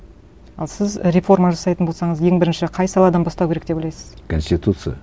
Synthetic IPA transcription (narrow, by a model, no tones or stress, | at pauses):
ɑlˠsɪzɾʲefo̞rmɑʒɑsɑjt̪ənbo̞lˠsɑɴəzje̞ŋbɪɾɪnʃɪqʰɑjsɑlˠɑd̪ɑnbɑst̪ɑwkʲʰɾekt̪ebojlʲɑjsɪ̥z̥kʰonsʲt̪ʲit̪ut̪sɨja̰